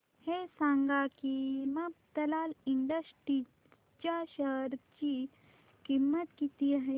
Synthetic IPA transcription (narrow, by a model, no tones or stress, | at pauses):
hesãːŋɡakimɐp̚t̪ɐlaːliɳɖəsʈi | t͡ʃaʃəɾt͡ʃi | kimːət̪kit̪iɦɛ̃